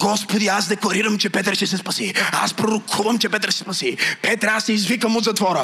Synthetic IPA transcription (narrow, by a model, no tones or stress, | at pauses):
ɡ̥ɔspod̪ias̬d̪ɛklˠɐɾiɾɐmt͡ʃɛpɛt̪ɾʃʲɛsɛspɐsia̰spɾoɾokʰuvɐmt͡ʃɛpɛt̪ɾsɛ̥spɐsipɛt̪ɾasɛizvikəmud̪zɐt̪vɔɾə